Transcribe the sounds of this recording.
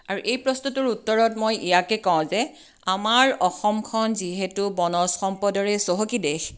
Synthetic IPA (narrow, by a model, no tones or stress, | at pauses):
aɹuʔejpɹɔstɔtʊɹutːɔɹɔtmojijakɛkɔʊ̃zɛ | amaɹɔxɔmkʰɔnziɦɛtubɔnɔsxɔmpɔdɔɹɛsoɦokidɛx